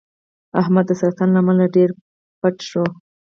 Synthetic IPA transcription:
ahmad̪ːəsaɾt̪anlamalaɖeɾ | paʈʃo

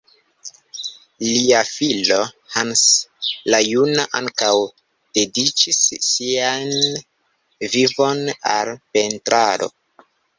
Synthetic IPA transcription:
liafilo̞ | hanslajunaʔaŋkaw | d̥e̞dit͡ʃisːian | vivo̞na̰lpe̞ntɾaɾo̞̰

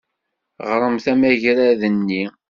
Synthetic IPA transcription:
ʁɾˤəmθæmæʝɾæðənːi

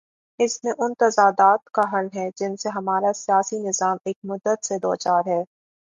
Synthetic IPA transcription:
ɪsmẽʔʊnt̪ɐzaːd̪aːt̪kaɦɐlɦɛd͡ʒɪnseɦɐmaːɾasijaːsinɪzaːmeːk̚mʊd̪ːət̪sed̪oːt͡ʃaːɾɦɛː

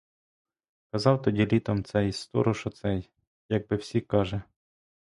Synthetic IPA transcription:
kɐzɑwt̪ɔdʲilʲit̪ɔmt̪sɛjst̪ɔ̰ɾʊʃɔt̪sɛj | jɐɡ̚bɪwsʲikɑʒɛ

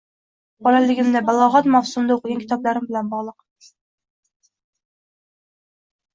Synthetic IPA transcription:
qɑɾælːɪɡʲɪmd̪ɛbɑlˠɑʁɑt̪mɑwsumd̪ɑoqɨɡʲɑnkʰʲi̥t̪ʰɑplˠæɾɪmbɪlɛnbɑʁlˠəq

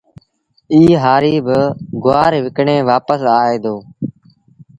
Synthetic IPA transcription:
iːɦaːɾiːbɪɡʊaːɾʋɪkɳẽːʋaːpəsaːeːd̪oː

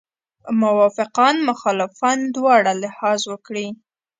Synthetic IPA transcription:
mʊwɑfɪqɑnmʊxɑlɪfɑnd̪wɑɽalɪhɑzwəkɽi

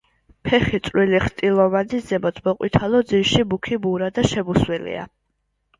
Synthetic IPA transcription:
pʰɛχit̪sʼɾwiliχt̪ʼilˠɔvad̪izɛbɔt̪ʰbɔqʼwḭt̪ʰalɔd̪ziʃibukʰibuɾad̪aʃɛbuswilḭa̰

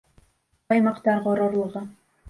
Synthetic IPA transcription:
ɑjmɑqt̪ɑɾʁoɾoɾlˠɤʁɤ

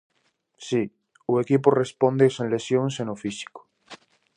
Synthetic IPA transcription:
si | uekip̬orespond̪esenle̞sjõŋsenofisi̥ko̥

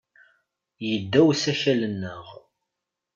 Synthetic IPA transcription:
jəd̪ːæwsæʃælənːəʁ

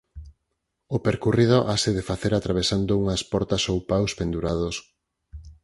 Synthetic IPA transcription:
opeɾkurið̞oʔaseðefaθeɾat̪ɾaβ̞esand̪ouŋɐspɔɾt̪ɐsowpawspend̪uɾað̞os

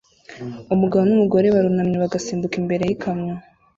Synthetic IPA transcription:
umuɡaβonumuɡo̞ɾe̞βaɾunamɲeβaɡasiːmbukimbe̞ɾe̞jikʰamɲa

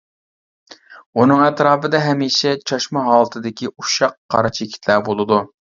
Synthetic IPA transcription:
unɨŋɛt̪ɾɑːbɨd̪ɛɦɛmiːʃɛt͡ʃʰɑʃmɑɦɑːlˠɨt̪ʰɨd̪ɪkʲiuʃɑqːʰɑ̰ɾɑt͡ʃʰekʲʰi̥t̪ʰlæbolˠɨd̪u

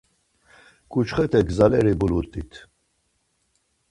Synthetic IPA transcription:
kʼut͡ʃχɛt̪ʰɛɡzalɛɾibulut̪ʼit̪ʰ

